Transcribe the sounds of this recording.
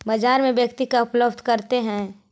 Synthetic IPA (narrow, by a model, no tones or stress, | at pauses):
bad͡ʒaːɾmẽbjəkt̪ikaʊpləbd̪ʱkɐɾt̪eɦɛ̃ː